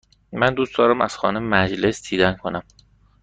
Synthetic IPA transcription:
mænd̪uːsd̪ɒːɾæmæz̥xɒ̰ːneemæd͡ʒle̞sd̪̥iːd̪ænkʰonæm

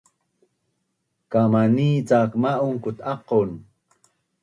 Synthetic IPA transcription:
kamaniːt͡sakmaʔuŋkut̪ɑqon

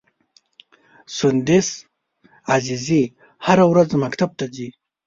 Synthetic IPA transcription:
sund̪is | azizi | haɾawɾazmakt̪ab̚t̪azi

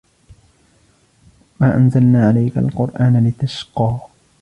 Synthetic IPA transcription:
maːʔanzalnaːʕalajka̰lqʊɾˤʔaːnalɪt̪aʃqɑː

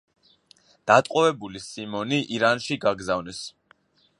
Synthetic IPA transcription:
d̪̥at̪ʼqʼɔvɛbulisimɔniʔiɾanʃiɡaɡzavnɛs

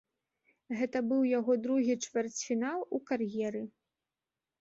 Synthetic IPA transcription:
ɣɛt̪ɐbɨwjaɣɔd̪ɾuɣʲit͡ʂvʲɛrt͡sʲfʲinalˠukarjɛɾɨ

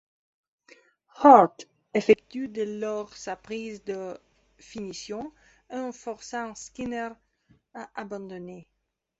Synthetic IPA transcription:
haʁt̪ | efɛk̚t̪yd̪elɔʁsapχizd̪ə | finisjɔ̃ɛ̃fɔʁsãskinɛʁ | aʔabɑ̃d̪ɔne

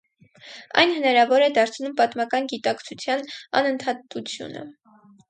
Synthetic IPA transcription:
ɑ̰jnhənɑɾɑvɔɾɛd̪ɑɾt͡sʰnumpɑt̪mɑkɑnɡit̪ɑkt͡sʰut͡sʰjɑnɑ̰nənt̪ʰɑt̪ut͡sʰjṵnə̰

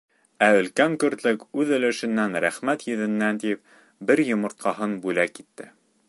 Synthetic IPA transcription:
æɵ̆lkæŋkɵ̆ɾt̪lɘkʉðɵ̆lɘ̆ʃɘ̆nːænɾæχmæt̪jɵ̆ðɘ̆nːænt̪ip̚ | bɘɾjŏmŏɾt̪̚qɑɦɤnbʉlækːit̪ːɘ

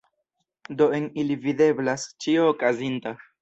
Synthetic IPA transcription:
do̞enilivide̞blast͡ʃioːkazinta

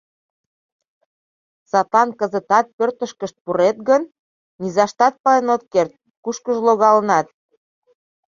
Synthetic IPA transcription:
sɑt̪ɑnkəzə̆t̪ɑt̪̚pørt̪əʃkəʃt̪̚puɾet̪ɣənː | izɑʃt̪ɑt̪̚pɑenot̪̚kert̪̚ | kuʃkəʒloɣɑlənɑt̪̚

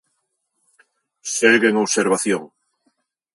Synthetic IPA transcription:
seɣeŋoβseɾβaθjoŋ

